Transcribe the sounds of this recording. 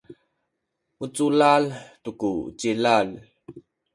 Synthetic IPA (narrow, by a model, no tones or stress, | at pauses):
mut͡sulaltukut͡ɕilal